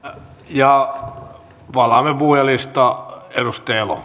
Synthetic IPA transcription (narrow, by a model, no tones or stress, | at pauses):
jɑ | ʋɑlɑmepuhjɑlist̪ɑedust̪eːlo̰